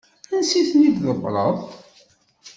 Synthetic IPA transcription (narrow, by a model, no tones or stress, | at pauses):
ænsiθnid̪ðəbɾˤəðˤ